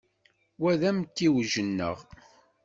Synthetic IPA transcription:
wæðæmt̪ːiwʒənːə̰ʁ

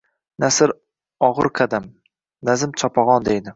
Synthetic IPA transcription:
nasɪɾ | ɒʁɨ̰ɾqʰad̪am | nazɪmt͡ʃʰɒpʰɒʁɒnd̪ejd̪ɪ

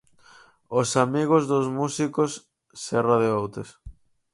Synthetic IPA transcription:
osamiɣozðʊzmusikosː | ɛraðeowt̪es

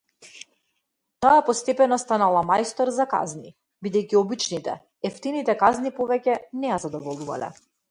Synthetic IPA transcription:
t̪aapɔst̪ɛpɛnɔst̪analˠamajst̪ɔɾzaka̰zni | bid̪ɛjciɔbit͡ʃnit̪ɛ̰ | ɛft̪init̪ɛkaznipɔvɛcɛnɛjazad̪ɔvɔlˠuva̰lɛ̰

